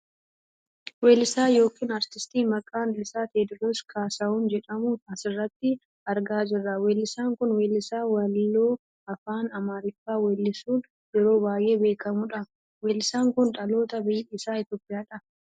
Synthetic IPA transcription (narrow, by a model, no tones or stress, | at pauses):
weːlːɪsaːjo̞ːkiːnɐɾt̪ɪst̪iːmɐkʼːaːnlɪsaːt̪eːd̪ɪɾoːskʰaːsɐuːnd͡ʒɛᶑɐmʊɐsɪrːɐt̪ːɪ | ɐɾɡaːd͡ʒɪrːɐweːlːɪsaːŋkʊnweːlːɪsaːwɐlːoː | ɐfaːnɐmaːɾɪfːaːwɛlːɪsuːn | jɛɾo̞ːbaːjʔe̞ːbe̞ːkɐmʊᶑɐ | weːlːɪsaːŋkʊnᶑʼɐlo̞ːt̪ɐbɪjɪsaːɪt̪joːpʼɪjaːᶑɐ